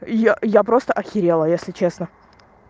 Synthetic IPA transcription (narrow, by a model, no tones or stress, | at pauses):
jajapɾo̞st̪əʔɐxʲɪɾʲelˠəjesʲlʲɪt͡ɕe̞snə